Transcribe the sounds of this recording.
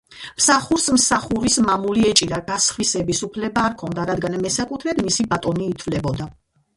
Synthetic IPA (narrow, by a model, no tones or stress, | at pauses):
msaχuɾsmsaχuɾismamuliɛt͡ʃʼiɾaɡasχwisɛbisupʰlɛbaːɾkʰɔnd̪aɾad̪ɡanmɛsakʼut̪ʰɾɛd̪misibat̪ʼɔniːt̪ʰvlɛbɔd̪a